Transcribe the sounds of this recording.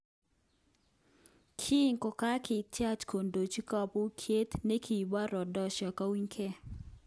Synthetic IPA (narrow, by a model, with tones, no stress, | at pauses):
kʰi˦ŋkɔ˨ka˦kʰɪ˨tja˦t͡ʃkʰo˨ndo˨t͡ʃi˦ka˦˨pu˦kʰje˦t̪ne˦kʰi˨ba˦ɾɔ˨dɔ˦ʃɔ˨ka˦wi˦ɲkʰɛ˦˨